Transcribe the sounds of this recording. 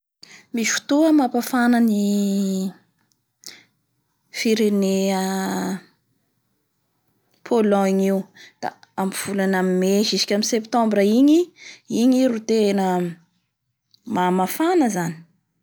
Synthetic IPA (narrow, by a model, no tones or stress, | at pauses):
misfu̥t̪uəmapafanəni | fiɾeneə | pʰolɔ̃ɲiwd̪̥a̰amv̥ulanamimeʒizi̥kʲamisept̪ɔ̃mbɾəiɲiiɲiɾut̪enə | mamafanəzani̥